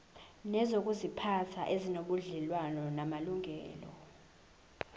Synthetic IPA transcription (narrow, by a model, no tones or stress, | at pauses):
nɛzok̬ʼuzipʰatʰaʔezinoɓuɮɛlwanɔnamaluŋʱɛ̰ːlɔ̰